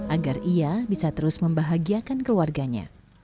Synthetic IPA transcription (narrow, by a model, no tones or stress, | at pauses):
ʔaɡariabisat̪əɾʊsməmbaɦaɡiakankəluarɡaɲa̰